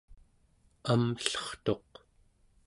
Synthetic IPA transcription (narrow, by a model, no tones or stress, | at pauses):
amɬʌ̥χt̪o̞q